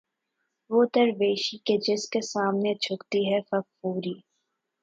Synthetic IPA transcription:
ʋoːt̪əɾʋeːʃiked͡ʒɪskesaːmnet͡ʃʰʊkt̪iɦɛfɐkfuːɾiː

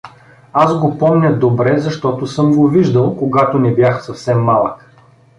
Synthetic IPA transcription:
azɡopɔmnʲɐd̪obɾɛzɐʃt̪ɔt̪osɤmɡoviʒd̪ɐlˠkoɡat̪onɛbjaxsɐfsɛmːalˠək

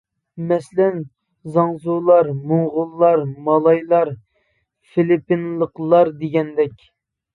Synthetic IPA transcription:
mɛslɛn | zɑŋzulˠɑɾmoŋʁʊlˠːɑɾmɑlˠɑjlˠɑɾ | filipːinlˠəqlˠɑɾd̪eɡʲɛnd̪ɛkʲ

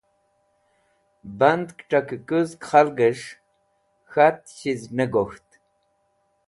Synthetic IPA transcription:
band̪kʈ͡ʂʼakɨkʼɨzkχalɡəʂ | xat̪̚ɕiznəɡoxt̪

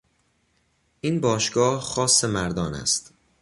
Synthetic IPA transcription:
ʔinbɒːʃɡɒːhxɒːsːe̞mæɾd̪ɒːnæ̰st̪

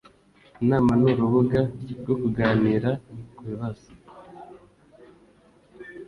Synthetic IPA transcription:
naːmanuɾuβuɡaɡokuɡaːniːɾakweβazḁ

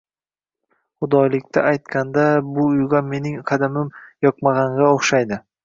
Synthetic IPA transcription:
χʊd̪ɒjlɪkʲt̪ʰaajt̪kʲand̪abʊʊjɡʲanme̞nɪŋqʰɑd̪amɪmjɒqmaʁɑŋɡʲaoχʃajd̪ɪ

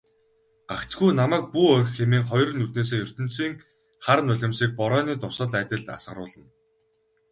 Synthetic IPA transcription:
akt͡sɡujnamæːk̚puːœrʲxxemeːŋχɔjr̆nːut̪neːs̬eːjɵr̥t̪ɵ̆nt͡siːŋ | χaɾənʊɮʲɪ̆msiːk̚pɔɾœːniːt̪ʊsə̆ɮæːt̪ʲə̆ɮt̪a̰sə̆ɾʊ̰ːɮə̆n

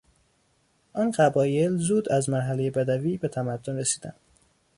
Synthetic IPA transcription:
ʔɒːnɢæbɒːje̞lzuːd̪æzmæɾɦæle̞je̞bæd̪æviːbe̞t̪ʰæmæd̪ːonresiːd̪æ̰nd̪̥

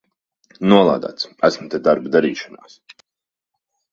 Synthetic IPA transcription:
nuɔlˠa̰ːd̪a̰ːt̪sæsmut̪ɛd̪aɾbd̪aɾiːʃana̰ːs

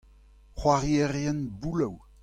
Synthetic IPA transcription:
χwaʁjeʁjɛnbulaw

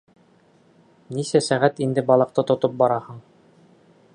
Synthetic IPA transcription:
nisæsæʁæt̪ind̪ɘbɒlˠɤ̆q̚t̪ɤt̪ŏt̪ɤp̚bɒɾɑhɤɴ

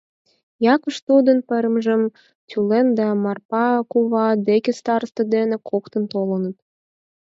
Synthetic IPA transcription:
jɑkə̆ʃt̪ud̪ənpəɾə̆mʒə̆m | t̪ʲylend̪ɑmɑrpɑkuβɑd̪ekʲĕst̪ɑɾəst̪ɤ̆d̪enekʰokt̪ə̆nt̪olə̆nə̆t̪

